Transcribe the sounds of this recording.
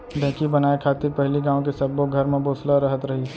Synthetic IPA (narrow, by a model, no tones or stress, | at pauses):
ɖʱɛ̃ːkibɐnaːekʰaːt̪ɪɾpɛɦliɡãːõkesɐboɡʱɐɾmẽboːslaɾɐɦət̪ɾɐɦi